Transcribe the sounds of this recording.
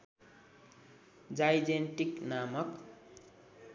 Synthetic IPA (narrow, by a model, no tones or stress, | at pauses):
d͡zajd͡zenʈiknamʌk